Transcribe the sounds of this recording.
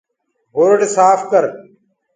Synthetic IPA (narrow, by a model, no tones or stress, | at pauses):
ɦoɾəɖsaːfkəɾ